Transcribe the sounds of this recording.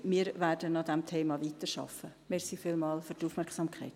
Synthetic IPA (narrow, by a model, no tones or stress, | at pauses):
miːɾvæːɾdənɑdɛmtʰeːmɑviːtəɾʃɑ̰fə | mɪɾsifɪlmɑːlfyɾtuːfmɛɾksɑmkʰaɪt